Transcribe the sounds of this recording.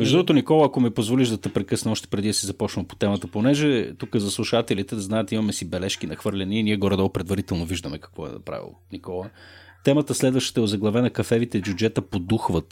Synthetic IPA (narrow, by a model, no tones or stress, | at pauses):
mɛʒd̪ɾuɾot̪onikɔlˠəːkomipozvoliʒd̪ɐt̪ɛpɾɛkɤsnɛɔʃt̪ɛ̥pɾɛd̪id̪əsizɐpɔt͡ʃnɐmpo̥t̪ɛmət̪əponɛʒɛt̪ukəzɐslˠuʃat̪ɛlit̪ɛznaɛt̪imɐmɛsibɛlɛʃkinɐxvɤɾlʲɛniːniɛɡɔɾɛd̪ɔlpɾɛd̪vɐɾit̪ɛlˠnoviʒd̪əmɛkɐ̥kvɔɛ̰nɐ̰pɾa̰vḭlˠonikɔlˠət̪ɛmət̪əslɛd̪vəʃt̪ə̥t̪ɛozɐɡlˠɐvɛnɐkɐfɛvit̪ɛbjud͡ʒɛt̪əpod̪uxvət̪